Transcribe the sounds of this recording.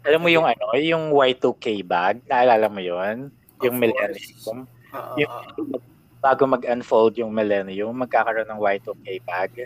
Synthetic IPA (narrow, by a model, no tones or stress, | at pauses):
ʔɐlɐmːojʊŋʔɐno̞jʊŋwajt̪ukejbaɡ̚nɐʔɐlaːlɐmojon | jʊŋmɛlɛnɪʊm | jʊʊmɐ | b̥aːɡomɐɡɐnfold̪̚jʊŋmɛlɛnɪjʊŋmɐɡ̚kaːkɐɾoʔonːɐŋwajt̪ukejbaɡ̚